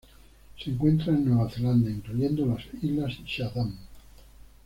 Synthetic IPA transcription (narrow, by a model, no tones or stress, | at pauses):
seŋkwe̞nt̪ɾaenːwe̞βaθe̞land̪aiŋkluʝe̞nd̪olasizlasiʃaðam